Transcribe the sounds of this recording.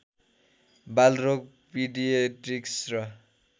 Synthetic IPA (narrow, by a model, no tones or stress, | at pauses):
balrok̚ | piɖijeʈriksrʌ